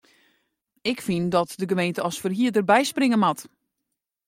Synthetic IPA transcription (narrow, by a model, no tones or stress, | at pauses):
ɪkfindɔtdəɡəmejntəɔsfərɦiədərbɛjsprɪŋəmat